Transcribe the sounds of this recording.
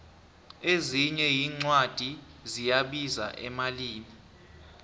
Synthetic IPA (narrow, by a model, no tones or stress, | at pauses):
eziɲɛjiːŋ͡ǀwad̥ʱizijaɓiza̰ʔɛmaliːmi